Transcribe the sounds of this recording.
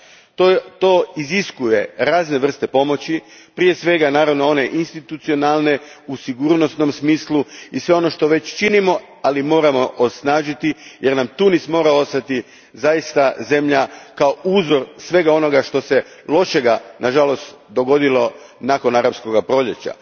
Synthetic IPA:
t̪ot̪o̞iziskuje̞ɾaːzne̞ʋr̩st̪e̞po̞mo̞t͡ɕi | pɾije̞sʋe̞ɡanaːɾaʋno̞o̞ne̞ʔinst̪it̪ut̪sio̞nalˠne̞usiɡuːɾno̞sno̞msmiːslˠuisʋe̞o̞no̞ʃt̪o̞ʋe̞t͡ɕt͡ʃinimo̞ | alimo̞ːɾamo̞ʔosnaːʒit̪ijeɾnamt̪unismo̞ːɾao̞st̪at̪i | zajist̪aze̞mʎakao̞ʔuːzo̞ɾsʋe̞ɡao̞no̞ɡaʃt̪o̞se | lˠo̞ʃe̞ɡanʔaʒalo̞st̪ | d̪o̞ɡo̞d̪ilo̞ | nako̞naɾapsko̞ɡapɾo̞ʎe̞t͡ɕa̰

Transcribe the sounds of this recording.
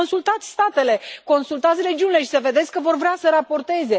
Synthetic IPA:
onsult̪at̪sʲst̪at̪e̞le̞ko̞nsult̪at̪sʲre̞d͡ʒiunile̞ʃi̥səve̞d̪e̞t̪sʲkəvo̞rvɾeasəɾapo̞rt̪e̞ze̞

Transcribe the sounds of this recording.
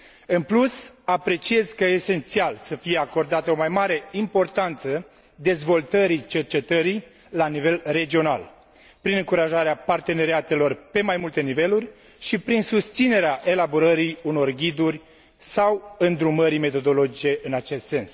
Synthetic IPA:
ɨnplusapɾe̞t͡ʃie̞zkəese̞nt̪sialsəfije̞ako̞rd̪at̪əo̞majmaɾe̞impo̞rt̪ant̪sə | d̪e̞zvo̞lt̪əɾit͡ʃe̞rt͡ʃe̞t̪əɾi | lanive̞lre̞d͡ʒio̞na̰l | pɾinɨŋkuɾaʒaɾeapart̪e̞ne̞ɾiat̪e̞lo̞rpe̞majmult̪e̞nive̞lurʲ | ʃipɾinsust̪sine̞ɾeaʔe̞laboɾəɾiuno̞rɡʲid̪urʲ | sawɨnd̪ɾuməɾime̞t̪o̞d̪o̞lo̞d͡ʒit͡ʃe̞ʔɨnat͡ʃe̞st̪se̞ns

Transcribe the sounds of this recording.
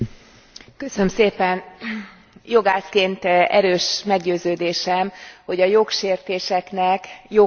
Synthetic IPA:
kø̞sønømseːpɛn | jo̞ɡaːskeːnt̪ɛ̰ɾøːʃmɛɡɟøːzøːd̪eːʃɛmho̞ɟɒjo̞kʃeːrt̪eːʃɛknɛkjo

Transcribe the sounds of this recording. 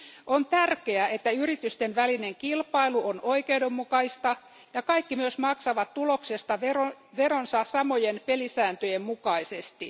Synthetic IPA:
ʔont̪ærkeæʔet̪ːæyrit̪yst̪enʋælineŋkilpɑiluonoikeudemːukɑist̪ɑ | jɑkɑikːimyøsmɑksɑʋɑt̪tuloksest̪ɑʋeroʋeronsɑsɑmojenpelisæːnt̪øjemmukɑisest̪i

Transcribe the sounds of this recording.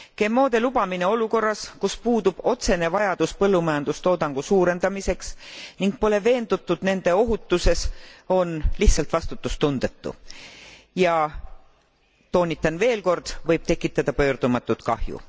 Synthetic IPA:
ke̞mːo̞ːd̪̥e̞lub̥ɑmine̞o̞luko̞rːɑskuspuːd̪ub̥o̞t̪se̞ne̞vɑjɑd̪̥uspɤlːumɑjɑnd̪̥ust̪o̞ːd̪ɑŋɡ̥usuːɾe̞nd̪̥ɑmise̞ksniŋɡ̚po̞le̞ve̞ːnd̪̥ut̪ːˑud̪̥ne̞nd̪̥e̞o̞ɦut̪ˑːuse̞so̞nliht̪sɑlt̪vɑst̪ut̪ːˑust̪und̪̥e̞t̪ːṵ | jɑ | t̪o̞ːnʲit̪ːˑɑnve̞ːlko̞rd̪̥vɤjb̥̚t̪e̞kːˑit̪ːˑɑd̪̥ɑpø̞ːɾd̪̥umɑt̪ːˑut̪kɑ̰hjṵ

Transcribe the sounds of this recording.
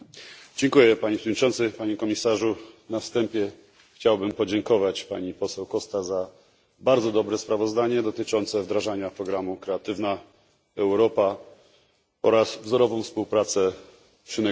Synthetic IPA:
d͡ʑɛŋkujɛpaɲepʂɛvɔdɲit͡ʂɔ̃nt̪sɘpaɲɛkɔmʲisaʐunafst̪ɛmpʲjɛ | xt͡ɕawbɘmpɔd͡ʑɛŋkɔvat͡ɕpa̰ɲipɔsɛwkɔst̪aza | baɾd̪zɔd̪ɔbɾɛspɾavɔzd̪aɲɛd̪ɔt̪ɘt͡ʂɔnt̪sɛvd̪ɾaʐaɲapɾɔɡɾamukɾɛat̪ɘvna | ɛwɾɔpa | ɔɾasvzɔɾɔvɔ̃w̃fspuwpɾat̪sɛ | pʂɘnɛ

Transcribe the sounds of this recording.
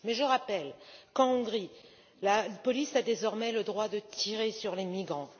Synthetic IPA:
mɛʒəʁapɛlkɑ̃ɔ̃ɡʁi | lapɔlisad̪ezɔʁmɛləd̪ʁwad̪ət̪ʰiʁesyʁlemiɡʁɑ̃

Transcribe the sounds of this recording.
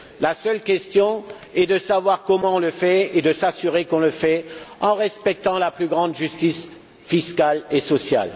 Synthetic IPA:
lasœlkʲɛst̪jɔ̃ | ɛd̪əsavwaʁkɔmɑ̃ɔ̃ləfɛed̪əsasyʁekɔ̃ləfɛɑ̃ʁɛspɛk̚t̪ɑ̃laplyɡʁɑ̃d̪ʒyst̪is | fiskalesɔsja̰l

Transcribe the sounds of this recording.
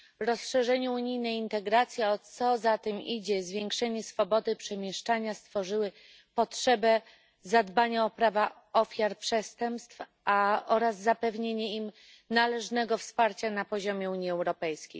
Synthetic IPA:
ɾɔsʂɛʐɛɲɛuɲijnɛjint̪ɛɡɾat̪sʲjiɔsɔzat̪ɛmid͡ʑɛzvʲjɛŋkʂɛɲɛsfɔbɔd̪ɘpʂɛmʲjɛʂt͡ʂaɲast̪fɔʐɘwɘ | pɔtʂɛbɛ | zad̪baɲaɔpɾava | ɔfʲjaɾpʂɛst̪ɛmpst̪f | aɔɾazːapɛvɲeɲɛim | nalɛʐnɛɡɔfspaɾt͡ɕanapɔʑɔmʲjɛuɲiɛwɾɔpɛjskʲḛj

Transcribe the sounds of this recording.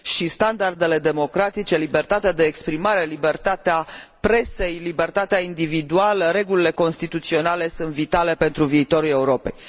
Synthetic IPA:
ʃist̪and̪ard̪e̞le̞d̪e̞mo̞kɾat̪it͡ʃe̞libe̞rt̪at̪ead̪eːkspɾimaɾe̞libert̪at̪eapɾe̞se̞jlibe̞rt̪at̪eaind̪ivid̪ualəɾe̞ɡulile̞ko̞nst̪it̪ut̪sio̞nale̞sunt̪vit̪ale̞pe̞nt̪ɾuviːt̪o̞ɾule̞uɾo̞pe̞̰j

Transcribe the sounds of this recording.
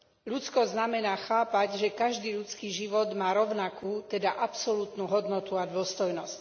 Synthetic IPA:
ʎut͡skɔzznamɛnaːxaːpaɟʒɛkaʒd̪iːʎut͡skiːʒiʋɔd̪maːɾɔʊnakuːt̪ɛd̪aʔapsɔlut̪nuːɦɔd̪nɔt̪uad̪ʊɔst̪ɔjnɔsc

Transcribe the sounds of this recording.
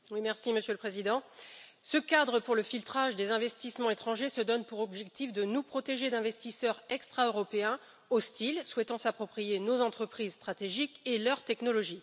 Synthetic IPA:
wimɛʁsiməsjøləpχezid̪ɑ̃səkad̪ʁəpuʁləfilt̪χaʒd̪ezɛ̃vɛst̪ismɑ̃et̪χɑ̃ʒesəd̪ɔnpuʁɔbʒɛk̚t̪ifd̪ənupχɔt̪eʒed̪ɛ̃vɛst̪isœʁɛkst̪χaøʁɔpeɛ̃ | ost̪ilswɛt̪ɑ̃sapχɔpχijenozɑ̃t̪χəpχizst̪χat̪eʒikelœʁt̪ɛknɔlɔʒi

